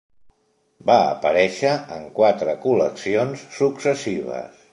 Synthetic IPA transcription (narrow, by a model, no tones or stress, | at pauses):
baə̰pəɾɛʃəəŋkwat̪ɾəkuləksionsːuksəsiβə̰s